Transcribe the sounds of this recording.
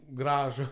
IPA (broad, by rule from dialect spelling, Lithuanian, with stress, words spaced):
ˈɡrɑːʒʊ